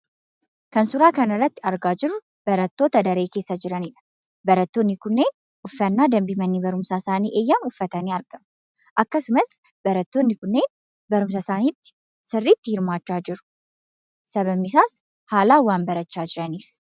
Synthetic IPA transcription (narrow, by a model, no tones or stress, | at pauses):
kɐnsʊɾaːkɐnɐrːɐt̪ːɪɐɾɡaːd͡ʒɪɾːʊ | b̥ɐɾɐt̪ːo̞ːt̪ɐd̪ɐɾe̞ːke̞ːsːɐd͡ʒɪɾɐnɪᶑɐ̥ | bɐɾɐt̪ːoːnːɪkʊnːe̞ːn | ʊfːɐnːaːd̪ɐmbimɐnːiːbɐɾʊmsaːsaːniːʔe̞ːjːɐnʊfːɐt̪ɐniːɐɾɡɐm | ʔɐkːɐsʊmɐs | b̥ɐɾɐt̪ːoːnːɪkʊnːe̞ːn | bɐɾʊms̬ɐsaːniːt̪ːɪ̥ | sɪrːiːt̪ːɪhɪɾmaːt͡ʃːaːd͡ʒɪɾʊ̥ | sɐβɐmnɪsaːs | haːlaːwaːnbɐɾɐt͡ʃːaːd͡ʒɪɾɐniːf